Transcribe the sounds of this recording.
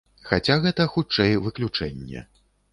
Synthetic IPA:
xat͡sʲaɣɛt̪ɐxut͡ʂɛjvɨklʲut͡ʂɛnʲːɛ̰

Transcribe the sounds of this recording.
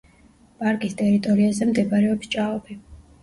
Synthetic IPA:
pʼaɾkʼist̪ʼɛɾit̪ʼɔɾiazɛmd̪ɛbaɾɛɔpst͡ʃʼaɔbʰi

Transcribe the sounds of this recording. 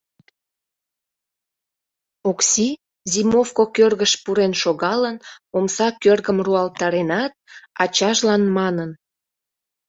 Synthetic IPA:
oksi | zimofkokørɣəʃpuɾenʃoɣɑlənomsɑkørɣəmruɑlt̪ɑɾenɑt̪̚ɑt͡ɕɑʒlɑnmɑnən

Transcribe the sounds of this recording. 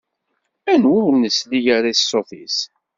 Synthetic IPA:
ænwʊɾnəslijaɾaisːoθḭs

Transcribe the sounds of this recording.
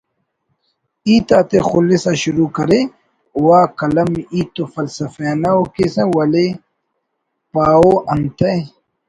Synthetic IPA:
iːt̪aːt̪exulːisaɕuɾuːkɐɾe | uwaːkɐlɐmiːt̪ofɐlsɐfeːnɐokesẽwɐle | paːoɐnt̪ɐj

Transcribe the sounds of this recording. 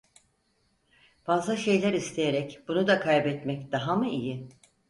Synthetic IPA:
b̥azlˠaʃe̞jlʲæɾist̪ʰejeɾɛcb̥unud̪akʰajbɛt̪mɛcd̪aɦamɯijɪ

